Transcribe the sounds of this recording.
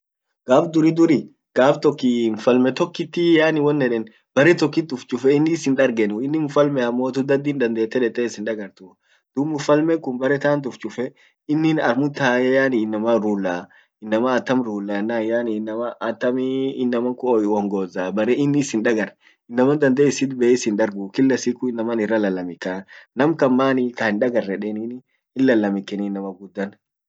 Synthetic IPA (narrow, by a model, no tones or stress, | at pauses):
ɡ̥aːfd̪ʊɾid̪ʊɾi | ɡ̥aːft̪ɔkːinfɐlmɛt̪ɔkːɪt̪ːɪjaːnɪwɔnːɛᶑɛn | b̥ɐɾɛt̪ɔkːɪt̪ːʊft͡ʃʼʊfɛɪnːɪːsɪnᶑɐɾɡɛnʊɪnːɪnfɐlmɛɐmːoːt̪ʊd̪ɐd̪ind̪ɐnd̪eːt̪ːɛᶑɛt̪ːɛɪsɪnᶑ̪ɐɡɐɾt̪ʊ | d̪̥ʊmːʊfɐlmɛŋkʊnbɐɾɛt̪aːnt̪̬ʊft͡ʃʼʊfɛ | ɪnːɪnɐɾmʊt̪aːjɛjaːnɪɪnːɐmɐɾuːlːaː | ɪnːɐmɐːt̪ːɐmɾuːlːaːɪnːaːjaːninːɐmɐʔɐt̪ːɐmɪnːɐmɐŋkʊɔwɔŋɡoːzaːbɐɾɛɪnːɪsɪnᶑɐɡɐɾ | ɪnːɐmɐnd̪ɐnd̪eːɪsɪt̪bɛːɪsɪnᶑ̪ɐɾɡʊkɪlːɐsikʊɪnːɐmɐnɪrːɐlɐlːɐmɪkanɐmkɐmːaːnɪkɐhɪnᶑɐɡɐrːɛᶑɛnin | ɪnlːɐlːɐmɪkːɛnɪnːɐmɐɡʊd̪ːɐn